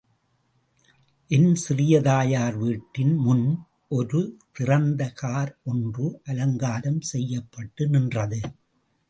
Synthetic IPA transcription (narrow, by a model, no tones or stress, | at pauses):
ʔɪnsɪrɪjɐðaːjaːɾʋiːʈːɪnmʊn | ʔɔɾɯt̪ɪrɐnd̪ɐkaːɾɔndrɯʔɐlɐŋɡaːɾɐmsɛjːɐpːɐʈːɯnɪndrɐðɯ